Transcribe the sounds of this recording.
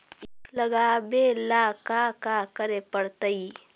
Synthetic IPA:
ɪkləɡabelaːkakakəɾepəɽt̪əi

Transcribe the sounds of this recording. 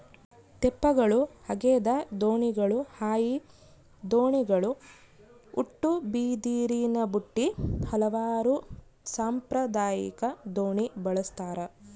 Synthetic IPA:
t̪ɛpːɐɡɐɭuhɐɡeːd̪ɐd̪oːɳiɡɐɭuhaːji | d̪oːɳiɡɐɭu | uʈːubiːd̪iːɾinɐbuʈːihɐlɐʋaːɾu | saːmpɾɐd̪aːjḭkɐd̪oːɳibɐɭɐst̪aːɾɐ

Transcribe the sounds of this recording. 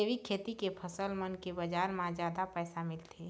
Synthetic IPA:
eʋikʰeːt̪ikepʰəsəlmənkebəd͡ʒaːɾmãd͡ʒjaːd̪apɛːsamɪlt̪ʰeː

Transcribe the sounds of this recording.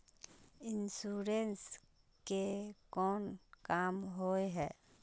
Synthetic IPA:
ɪnsuːɾens | kekɔːnkaːmɦoːeɦɛː

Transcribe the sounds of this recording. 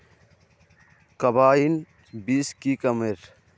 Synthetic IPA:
kɐbaːin | biːskikɐmeɾ

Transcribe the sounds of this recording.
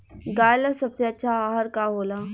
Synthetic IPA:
ɡaːjləsɐbseɐtːʃʰaaːɦəɾkaɦoːlaː

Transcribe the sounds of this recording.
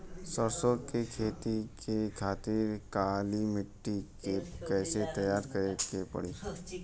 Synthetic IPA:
səɾsokekʰeːt̪ikʰekʰaːt̪ɪɾkaːlimɪʈːikekɛːset̪əjaːɾkəɾekepə̰ɽiː

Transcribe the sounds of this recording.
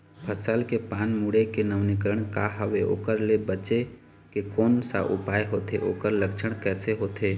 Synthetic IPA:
pʰəsəlkepaːnmuɽekenəʋnɪkəɾəɽ̃kaɦəʋeo̰ːkəɾlebət͡ʃe | kekoːnsa̰ʔʊ̰paːeɦoːt̪eʔoːkəɾləkt͡ʃʰəɽ̃kɛːseɦoːt̪eː

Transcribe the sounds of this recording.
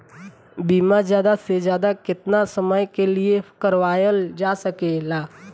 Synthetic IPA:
biːmazjaːd̪asezjaːd̪akɪt̪nasəməjkelɪekəɾʋaːjəld͡ʒaːsəkelaː

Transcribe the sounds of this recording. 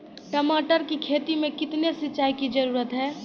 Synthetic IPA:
ʈəmaːʈəɾkikʰeːt̪imẽkɪt̪nesɪːt͡ʃːaːikid͡ʒəɾuːɾət̪ɦɛː

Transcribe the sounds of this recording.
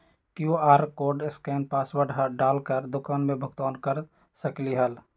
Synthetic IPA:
kjuaːɾkoːɾɖɪskɛːnpaːswəɽ̤aɖaːlkəɾd̪ʊkaːnmẽbʱʊk̚t̪aːnkəɾ | səkliɦəl

